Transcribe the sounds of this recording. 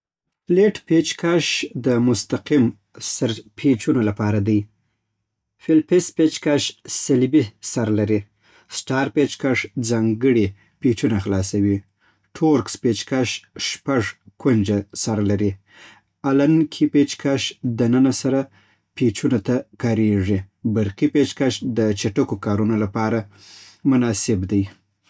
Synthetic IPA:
leʈpet͡ʃkʰaʃd̪əmʊst̪aqim | səɾpʰet͡ʃunolapɑɾad̪aj | fɪlpɪspet͡ʃkaʃsɪlbisaɾlaɾi | sʈɑɾpet͡ʃkaʂd͡zɑŋɡəɽi | pet͡ʃunaxlɑsawi | ʈʰoɾkspet͡ʃkaʃʃpaʐkund͡ʒasaɾalaɾi | alankʰipet͡ʃkaʃd̪ənənasaɾa | pet͡ʃunat̪akɑɾeʐi | baɾqipet͡ʃkaʃd̪ət͡ʃaʈəkokɑɾunolapɑɾamʊnɑsɪbd̪aj

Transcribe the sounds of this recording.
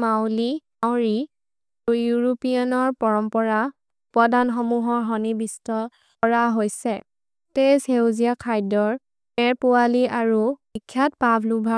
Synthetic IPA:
mawli | awɹi | ujuɹopianɔɹpɔɹɔmpɔɹa | pɔdanxɔmuɦɔɹɦɔnibistɔ | ɔɹaɦojsɛ | teshewzijakʰajdɔɹ | mɛɹpʊwaliaɹubikʰːjatpabʱlubʱa

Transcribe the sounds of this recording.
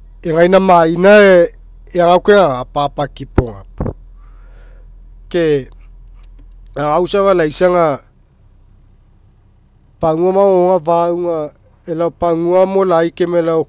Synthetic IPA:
eŋajnamainae | eaŋawkeŋaapapakipoŋa̰pu̥ | ke | aŋawsavalajsaŋa | paŋuamaoŋavawŋa | elaopaŋuamolajkemelao

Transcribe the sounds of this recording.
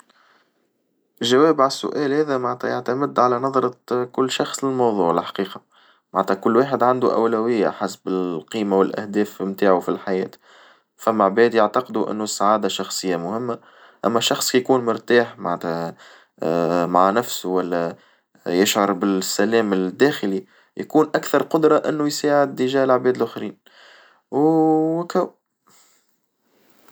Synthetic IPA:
ʒːæwɛːbʕalsːʊ̰ʔæːlhɛːðæmaʕnt̪hæjaʕt̪æmɪd̪ʕalænɑðˤɾˤɑkʊlːʃɑxsˤlɪlmɑwðˤuːʕlɪlħḁqiːqɑ | maʕnt̪hækʊlːweːħɪd̪ʕand̪uʔæ̰wlæwɪjːa̰ħasbɪlqiːmawɪlʔæ̰hd̪ɛːfmt̪aːʕufilħajɛːt̪ | fæmːaʕbɛːd̪jaʕt̪ɑqd̪uʔɪ̰nːusːaʕaːd̪aʃɑxsˤɨjːamʊhɪmːa | ʔæ̰mːæʃːɑxsˤkijkuːnmʊɾt̪aːħmaʕnt̪hæ | maʕanæfsuwælːæ | jɪʃʕɑɾˤbɪsːælɛːmɪld̪ːæːxɪli | jakuːnʔækθɑɾˤqʊd̪ɾˤɑʔɪnːujsaːʕɪd̪əʒæːlʕbɛːd̪lʔʊxɾiːn | wkæw

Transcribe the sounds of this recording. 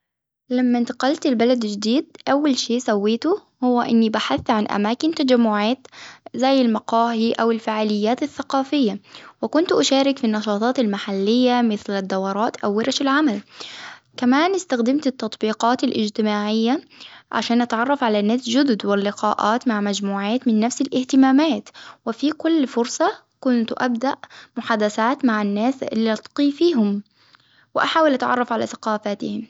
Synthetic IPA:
lamːant̪aqɑlt̪ɪlbalad̪d͡ʒd̪iːd̪̚ʔawːalʃiːʔsawːiːt̪ʊ | hʊwːaʔɪnːibaħaθːʕanʔa̰maːkɪnt̪ad͡ʒamːʊʕaːt̪zajːɪlmɑqɑːhiʔawɪlfaʕaːlɪjːaːt̪aθːaqɑːfɪjːawɪkʊnt̪ʔaʃaːɾɪkfinːɑʃɑːt̪ˤɑːt̪almaħalːɪjːamɪθlad̪ːɑwɑɾˤɑːt̪ʔawːɪɾˤʃɪlʕamal | kamaːnɪst̪axd̪ɪmt̪ɪt̪ːɑt̪ˤbiːqɑːt̪alʔɪd͡ʒt̪ɪmaːʕɪjːaʕa̰ʃaːnʔat̪ʕɑrˤːɑfʕalanːaːsd͡ʒʊd̪ʊd̪wɪlːɪqɑ̰ːʔaːt̪maʕmad͡ʒmuːʕaːt̪mɪnːafsɪlʔɪht̪ɪmaːmaːt̪wɪfikʊlːfʊɾsˤɑ | kʊnt̪ʔab̚d̪aʔmʊħaːd̪aθaːt̪maʕanːaːsɪ̰lːiʔɑt̪qiːfiːɦʊm | wɪʔaħaːwɪlʔat̪ʕɑrˤːɑfʕala̰θḁqɑːfaːt̪ɪhɪm

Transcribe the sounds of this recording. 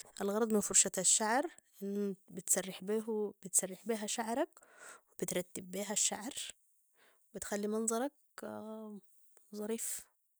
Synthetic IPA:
ʔælɣɑɾˤɑd̪ˤmɪnfʊɾˤʃɑt̪æʃːaʕɾˤ | ʔɪnːbɪt̪sɑrˤːɪħbiɦb̥ɪt̪sɑrˤːɪħbiːɦæʃaʕɾˤɑkwɪbɪt̪ɾˤɑt̪ːɪbːiːɦæʃːaʕɾ | wɪbɪt̪xælːimɑnzˤɑɾˤɑk̚ | zˤɑɾiːf

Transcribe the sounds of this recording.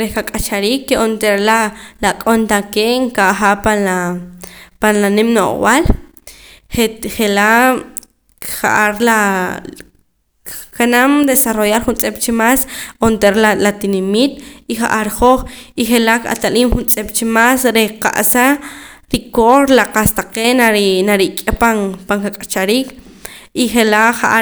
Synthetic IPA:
ɾehkakʼat͡ʃaɾiːkːeʔont̪eɾelalakʼont̪akeŋkaʔχaʔpana | panlanemno̰χwal | eχela | χa̰ʔaɾla | kanamd̪esarojaɾχunt͡sʼept͡ʃimasont̪eɾlalat̪inimiːt̪̚iχaʔaɾχoχiχelaka̰t̪aliːmχunt͡sʼept͡ʃimasɾeqa̰ʔsa | ɾikoɾlaqast̪aqenanaɾikʼepaŋpaŋkakʼat͡ʃaɾiːk | iχelaχaʔa

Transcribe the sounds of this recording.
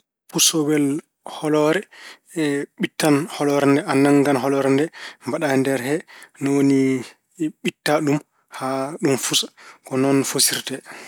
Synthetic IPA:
pusɔwɛl | hɔlɔɾɛ | ɛɓitːanhɔlɔɾɛndɛanaŋɡanɦɔlɔɾɛndɛmbaɗandɛɾɦɛnɔwoni | ɓitːaɗum | haɗumfusḁkɔnɔnfosiɾtɛ

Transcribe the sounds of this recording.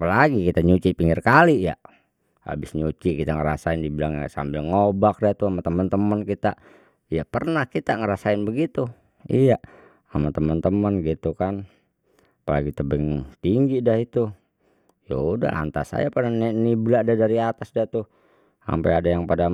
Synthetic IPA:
pəlaɡikit̪aɲut͡ʃipiŋɡɪrkalija̰ | a̰bɪsɲut͡ʃiʔkit̪aŋəɾa̰saɪndibilaŋja̰ʔsa̰mbɪlŋobak̚dat̪uamat̪əmənt̪əmənkit̪a | japərnahkit̪aŋəɾasaɪnbəɡit̪u | ḭja | amat̪əmənt̪əmənɡit̪ukan | apəlaɡit̪əbɛŋt̪iŋɡidahit̪u | ja̰uda̰la̰nt̪a̰sa̰japadanɛnibladadaɾiat̪asdat̪u | a̰mpaadajaŋpada

